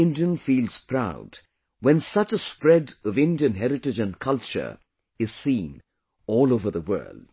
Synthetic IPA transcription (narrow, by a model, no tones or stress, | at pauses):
ɪ̃ndiɨ̃nfiːlˠz̥pʰɹ̥aʊd | wɨ̃nsʌt͡ʃəspɹɛdʌvɪ̃ndiɨ̃nɦɛɾɹɨtɨd͡ʒɨ̃nkʰʌlˠt͡ʃə̰˞ | ɨz̥sĩn | ɔːlˠoʊvə˞ðəwɜ̰˞lˠd̥